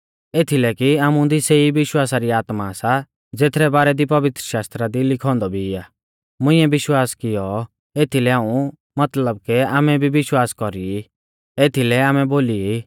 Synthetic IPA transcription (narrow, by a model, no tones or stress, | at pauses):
eːt̪ʰilɛkiaːmũd̪iseiʋɪʃwaːsaɾiaːt̪masa | d͡zeːt̪ʰɾɛbaːɾɛd̪ipɐʋɪt̪ɾəʃaːst̪ɾad̪ilɪkʰɔ̃ːnd̪ɔbʱiːaː | mʊ̃ɪ̃ːɛbɪʃwaːskɪjɔ | eːt̪ʰilɛãːũ | mɐt̪ləb̚kɛaːmɛbʱibɪʃwaːskɔɾii | eːt̪ʰilɛaːmɛboːliiː